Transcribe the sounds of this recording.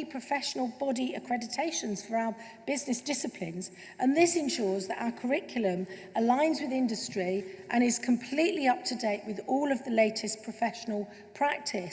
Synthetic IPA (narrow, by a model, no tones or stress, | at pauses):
pʰɹ̥əfɛʃənəlˠbɒdiəkʰɹ̥ɛdɪtʰeɪʃə̃nz̥fəɹaʊə | b̥ɪznɪsd̥ɪsɪpʰlɪ̰̃nz | ʔə̃nðɪsɪ̃nʃɔːzðəta̰ʊəkʰəɹɪkʰjl̩ə̃m | əlãɪ̃nzwɪðɪ̃ndəstɹ̥iʔə̃ɾ̃ɪz̥kʰə̃mpʰl̥iˑʔliʌp̚tʰədeɪʔwɪðɔːləvðəleɪtʰɪspʰɹ̥əfɛʃənəlˠ | pʰɹ̥ak̚tʰɪ